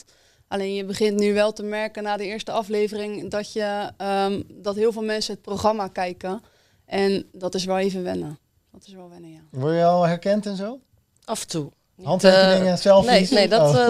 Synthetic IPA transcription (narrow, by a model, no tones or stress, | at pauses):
ʔalejnjəbəχɪntnyʋɛlˠtəmɛɹkənaːdəɪːɹstəɑfleːvərɪŋdɔtjə | dɔtɦɪəlˠvɪːlˠmɛnsəət̚proχramakɛjkə | ʔɛndɔtɪs̬ʋɛlˠeːvənʋɛnə | dɔtɪsʋɛlˠʋɛnəjaʋɔjəɔlhɛɹkɛntɛnzoː | afəntu | nhɑntʋɪɪŋəsɛlˠnedɔ